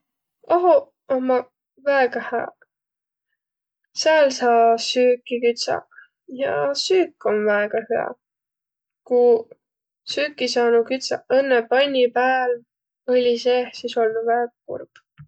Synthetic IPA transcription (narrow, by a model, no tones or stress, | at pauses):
ɑɦo | omːɑ | væeɡ̥ɑhæ̰ː | seælsɑːsyːkːikyt̪sɑ̰ | jɑ̰syːkːˑo̞nvæeɡ̥ɑhyɑ̰ | ku | syːkːisɑːnukyt̪sɑɤnːepɑnʲːipæːl | ɤlʲiseːhsiso̞ld̪uvæɡ̥ɑkṵrb̥